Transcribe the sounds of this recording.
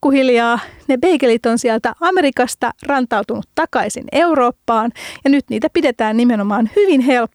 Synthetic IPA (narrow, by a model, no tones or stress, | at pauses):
kːuhiljɑːnebeikelit̪o̞nsiælt̪æʔɑme̞ɾikɑst̪ɑrɑnt̪ɑwt̪unut̪tɑkɑisḭne̞uro̞ːpːɑːnjɑnyt̪niːt̪æpide̞t̪æːnːnimeno̞mɑːnhyʋinɦelpː